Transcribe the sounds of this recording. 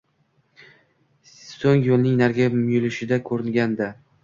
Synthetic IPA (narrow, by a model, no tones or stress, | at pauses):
soŋjolnɪŋnaɾɡʲamʊjɪlɪʃɪd̪akʰɵɾɪŋɡʲand̪a